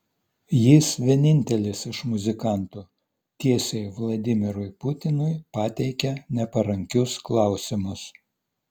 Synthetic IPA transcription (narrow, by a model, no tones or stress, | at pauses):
jɪsʋʲiɛnʲɪnʲt̪ʲɛlʲɪsɪʃmʊzʲɪkɑˑnt̪uː | t̪ʲiɛsʲeɪʋlˠɐd̪ʲɪmʲɪɾʊɪpʊt̪ʲɪnʊɪpɑːt̪ʲɛɪkʲɛnʲɛpɐɾɐŋʲkʲʊsklˠɑˑʊsʲɪmʊs